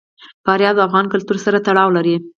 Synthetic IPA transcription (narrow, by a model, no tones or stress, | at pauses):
fɑɾjɑd̪afɣɑnkʊlt̪uɾsaɾat̪aɽɑwlaɾi